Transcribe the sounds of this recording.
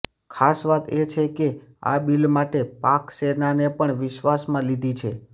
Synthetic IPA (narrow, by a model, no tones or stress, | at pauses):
kʰasʋat̪et͡ʃʰekea̰bilmaʈepaksenanepəɳʋɪʃʋasmãlid̪ʱit͡ʃʰe